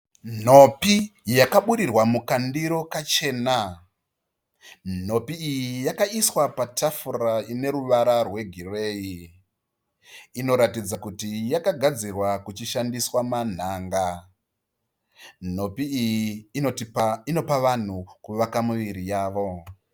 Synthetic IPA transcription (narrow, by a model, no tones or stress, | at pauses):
n̤o̞pijakaɓuɾirwamukandiɾo̞kat͡ʃe̞ːna | n̤o̞piːjijakaiswapatʰafuraine̞ɾuʋaɾarwe̞ɡʱireːi | ino̞ɾatid͡zakutijakaɡʱad͡zirwakut͡ʃiʃandiswaman̤aːŋɡa | n̤o̞piːjiːotiaino̞paʋan̤ukuʋakamuʋiɾijaːʋo̞